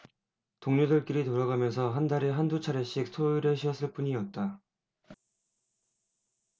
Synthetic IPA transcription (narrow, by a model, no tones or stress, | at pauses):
toŋɲodɯɭk͈iɾitoɾaɡamjʌnsʰʌɦandaɾeɦandut͡ɕʰaɾeɕ͈ik̚sʰoiɾjʌɕʰiʌs͈ɯɭp͈uɲiʌt̚t͈a